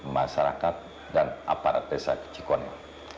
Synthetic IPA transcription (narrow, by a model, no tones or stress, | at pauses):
maʃaɾakat̪̚ | danʔa̰paɾa̰t̪̚desa̰kə̥t͡ʃikɔna